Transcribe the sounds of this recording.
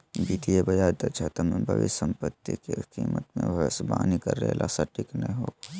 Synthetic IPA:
biːt̪ijebɐjaːd̪ɐt͡ʃʰat̪ɐmbʱɐʋḭsə̃mpət̪ːikekiːmət̪mẽʋsbaːnikɐɾːɛlʔaːsaʈʰiknɐɦĩɦoːɡa

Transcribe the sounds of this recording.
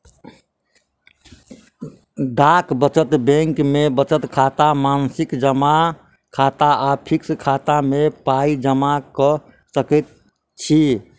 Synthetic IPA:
ɖakbət͡ʃət̪bẽŋkmebət͡ʃət̪kʰat̪amansikd͡ʒəma | kʰat̪aʔapʰikskʰat̪amepaid͡ʒəmakə | səkɛt̪̚ | t͡ʃʰi

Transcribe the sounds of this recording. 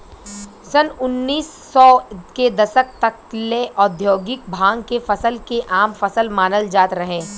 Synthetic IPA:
sənʊnːiːsːɔːked̪ɐsək̚t̪ɐkleʔɔːd̪ʱjoːɡɪk̚bʱãːŋɡkefɐsəlkeʔaːmfɐsəlmaːnəld͡ʒaːt̪ɾɐɦẽː

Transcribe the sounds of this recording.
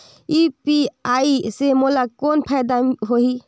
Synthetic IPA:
ipiaisemolakonpʰajd̪aɦoɦi

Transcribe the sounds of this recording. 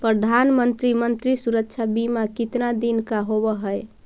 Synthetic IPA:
pɾəd̪ʱanmənt̪ɾimənt̪ɾisuɾəkt͡ʃʰabimakit̪nad̪inkaɦobəɦəj

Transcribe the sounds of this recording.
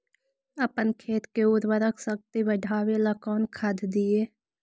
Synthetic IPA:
əpənkʰeːt̪keʊɾwəɾəkʰsək̚t̪ibəɖʱaːweləkɔːnkʰad̪d̪ieː

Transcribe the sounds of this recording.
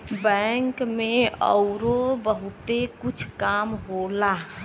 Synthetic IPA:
bɛŋkmẽɔ̰ʊɾobəɦʊt̪ekʊt͡ʃʰkaːmɦola

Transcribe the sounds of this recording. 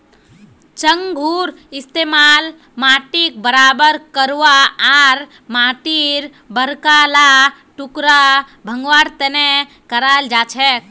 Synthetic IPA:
t͡ʃəŋɡʱuɾɪst̪emal | maʈik̚bəɾaːbəɾkəɾʋaaɾ | maːʈiɾ | bəɾkala | ʈukɾa | bʱəŋɡʋaɾt̪ɛnɛ | kəɾald͡ʒaːt͡ʃʰɛk

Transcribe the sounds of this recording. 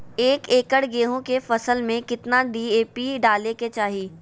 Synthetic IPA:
eːkeːkəɽɡeːɦõkefɐsəlmẽkɪt̪naɖiːeːpiɖaːleket͡ʃaːɦiː

